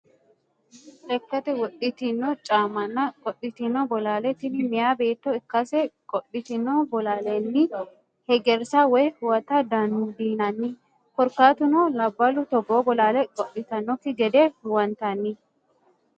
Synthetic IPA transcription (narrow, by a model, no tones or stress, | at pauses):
ʔɛkːɐt̪ɛwɔɗɪt̪ɪnːɔt͡ʃʼaːmɐnːɐkʼɔɗɪt̪ɪnːɔbɔlaːlɛt̪ɪnɪmɪjaːbe̞ːt̪ːɔɪkːɐsɛkʼɔɗːɪt̪ɪnːɔbɔlaːlɛnːɪ | hɛɡɛɾsawɛjhʊwɐt̪ɐd̪ɐnd̪iːnɐnːɪ | kɔɾkaːt̪ʊnɔlɐbːɐlʊt̪ɔboːbɔlaːlɛkʼɔɗɪt̪ɐnːɔkːɪɡɛd̪ɛwɐnt̪ɐnːɪ